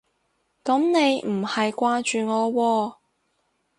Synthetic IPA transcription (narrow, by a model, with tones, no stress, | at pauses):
kɐ˨˥mne˨˧jm̩˨˩hɐ˨jkʷaː˧t͡ʃyː˨ŋɔː˨˧wɔː˧